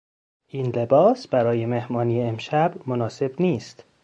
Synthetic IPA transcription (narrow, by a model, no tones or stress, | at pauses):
ʔiːnle̞bɒːsb̥æɾɒːje̞mehmɒːniːeemʃæbmonɒːse̞bniːst̪